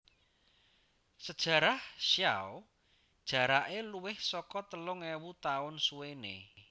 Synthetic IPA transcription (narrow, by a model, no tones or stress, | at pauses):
səd̥ʒ̥ä̤ɾahʃja̰o | d̥ʒ̥a̤ɾaʔeluwɪhsɔkɔt̪əlʊŋɛwut̪aʊnsuwenḛ